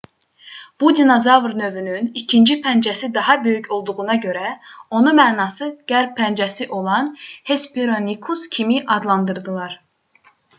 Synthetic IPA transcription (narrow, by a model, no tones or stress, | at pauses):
b̥ud̪inozɑvɾnø̞vynynicʰind͡ʒipʰænd͡ʒæsid̪ɑɦɑbø̞jycʰo̞lˠd̪uɣunɑɟøɾæo̞numæːnɑːsɯɡ̥æɾp̚pʰːænd͡ʒɛsiʔo̞lˠɑnhespʰeɾonikʰuscʲʰimiʔɑd̪lˠɑnd̪ɯɾd̪ɯlˠɑɾ